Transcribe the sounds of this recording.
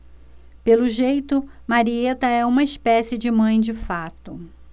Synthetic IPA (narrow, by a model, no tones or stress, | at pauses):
pelʊʒejt̪ʊmaɾiet̪ɐɛũmɐɪspɛsɪd͡ʒɪmɐ̃j̃d͡ʒɪfat̪ʊ